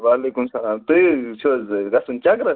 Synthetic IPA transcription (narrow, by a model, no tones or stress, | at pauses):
ʋaːleːkumsɐlaːmt̪uit͡ʃʰozɡɐsunt͡ʃakɾɐ